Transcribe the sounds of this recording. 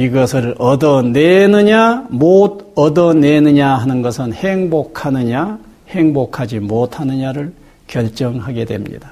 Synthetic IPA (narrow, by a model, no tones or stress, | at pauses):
iɡʌsʰɯɭʌdʌnenɯɲamod̚ʌdʌnenɯɲaɦanɯnɡʌsʰɯnheŋbokʰanɯɲa | he̞ŋbokʰad͡ʑimot̚ʰanɯɲaɾɯɭ | kjʌɭt͡ɕ͈ʌŋɦaɡe̞dwe̞̰mɲḭda